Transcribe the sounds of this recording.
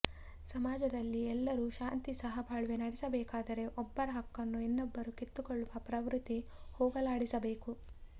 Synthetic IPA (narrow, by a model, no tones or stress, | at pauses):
sɐmaːd͡ʒɐd̪ɐlːiɛlːɐɾuʃaːnt̪isɐɦɐbʱaːɭuʋenɐɽɛsɐbɛːkaːd̪ɐɾe̞ʔɔbːɐɾɐɦɐkːɐnːuenːɔbːɐɾukit̪ːukɔɭːuʋɐpɾɐʋɾut̪ːi | hɔːɡɐlaːɽisɐbeːku